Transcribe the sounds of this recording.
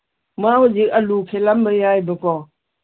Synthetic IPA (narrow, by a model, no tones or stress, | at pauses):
mawəd͡ʒialukʰelambəjajbəkɔ